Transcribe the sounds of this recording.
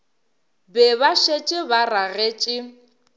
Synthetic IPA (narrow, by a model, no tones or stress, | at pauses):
bɛβaʃet͡ʃʼɪbaraɣet͡ʃʼɪ